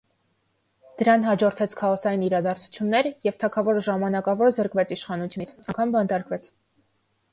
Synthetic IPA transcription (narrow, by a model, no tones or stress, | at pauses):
d̪̥əɾɑnɦɑd͡ʒɔɾt̪ʰɛt͡sʰkʰɑʁɔsɑjiniɾɑd̪ɑɾt͡sʰu̥t͡sʰjunːɛɾjɛvt̪ʰɑkʰɑvɔɾʒɑmɑnɑkɑvɔɾzəɾkvɛt͡sʰiʃχɑnut͡sʰjunit͡sʰɑŋkʰɑnbɑnt̪ɑɾkvɛt͡sʰ